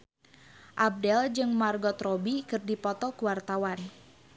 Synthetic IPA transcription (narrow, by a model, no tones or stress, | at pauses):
ʔab̚dɛld͡ʒɨŋmarɡɔt̪rɔbikɨrdipɔt̪ɔkuwart̪awan